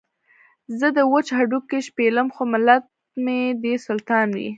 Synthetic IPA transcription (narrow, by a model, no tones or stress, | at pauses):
zəd̪əwət͡ʃhaɖukːeʃpeləmxomɪlat̪̚ | med̪esʊlt̪ɑnwḭ